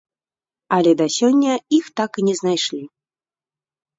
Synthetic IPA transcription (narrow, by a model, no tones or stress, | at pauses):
ɐlʲɛd̪ɐsʲɔnʲːɐixt̪akinʲɛznajʂlʲi